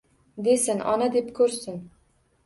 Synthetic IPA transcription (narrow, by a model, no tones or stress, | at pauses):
d̪esɪnʔɒ̰nad̪e̞pkʲʰɵɾsɪn